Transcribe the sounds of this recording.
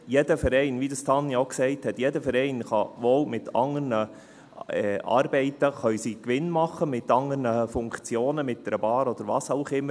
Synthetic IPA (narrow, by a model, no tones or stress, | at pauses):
jɛdəfɛɾɛɪnvid̪əst̪ʰɑnːioksɛɪthɛt̪jɛdəfɛɾɛɪnχɑʋoːlmɪt̪ʰɑŋəɾnə | ɛʔɑ̰ːɾbɛɪtəχœʏsikʋɪnmɑχːəmɪt̪ɑŋəɾnəfʊŋkt͡sjoːnəmɪt̚dɛɾəbɑːɾɔd̥̪əɾʋɑːsaʊχɪmːə